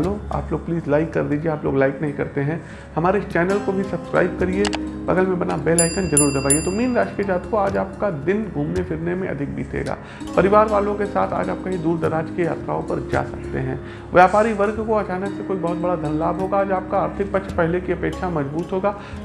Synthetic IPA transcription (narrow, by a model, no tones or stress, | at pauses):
loa̰ːploːɡ̚pliːzlaɪkːɐɾd̪iːd͡ʒieaːplo̰ːɡlaɪknɐɦĩkɐ̰ɾt̪eɦɛ̃ | hɐmaːɾeɪst͡ʃɛːnəlkobʱisɐbskɾa̰ːɪb̚kɐɾiebɐ̰ɡəlmẽbɐnabeːlaːɪkə̃nzɐɾuːɾd̪ɐbaːiet̪omiːnɾaːʃiəd͡ʒaːt̪koaːd͡ʒaːp̚kad̪ɪnɡʱuːmnefɪɾnemẽʔɐ̰d̪ʱɪk̚bḭːt̪ḛːɡa̰ː | pɐɾɪʋaːɾʋaːlõkesa̰ːt̪ʰa̰ːd͡ʒa̰ːp̚kɐɦĩd̪uːɾd̪ɐɾaːd͡ʒkeja̰ːt̪ɾa̰ːõpɐɾd͡ʒa̰ːsɐk̚t̪ḛɦɛ̃ː | ʋjaːpaːɾiʋɐɾɡkoɐt͡ʃaːnəksekoːibɐɦʊt̪̚bɐɽad̪ʱɐnlaːbɦoːɡaaːd͡ʒaːp̚kaaːɾt̪ʰɪk̚pɐt͡ʃʰpɛɦlekiɐpeːtʃʰamɐzbuːt̪ɦoːɡaː